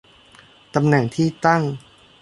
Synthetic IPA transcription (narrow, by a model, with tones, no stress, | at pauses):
t̪a˧mnɛ˨˩ŋt̪ʰiː˥˩t̪a˥˩ŋ